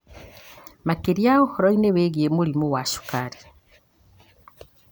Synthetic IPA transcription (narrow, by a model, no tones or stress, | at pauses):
makeɾjaohɔɾɔineweɣiemuɾimowaʃu̥kaɾi